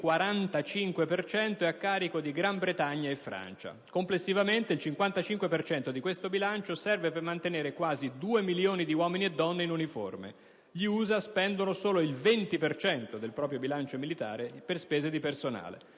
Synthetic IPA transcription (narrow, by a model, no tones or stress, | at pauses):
kwaɾant̪at͡ʃiŋkwepert͡ʃɛnt̪oɛakːaːɾikod̪iɡɾambɾet̪aɲːaefːɾa̰nt͡ʃa̰komplesːivament̪eilt͡ʃiŋkwant̪at͡ʃiŋkwepert͡ʃɛnt̪od̪ikwest̪obilant͡ʃosɛrvepermant̪eneːɾekwaːzid̪uːemiljoːnid̪iwɔːminied̪ːɔnːeinunifo̰rmḛ | ʎiuːzaspɛnd̪onosoːloilvent̪ipert͡ʃɛnt̪od̪elpɾɔːp̬ɾjobilant͡ʃomilit̪a̰ːɾeperspɛːzed̪ipersona̰ːlḛ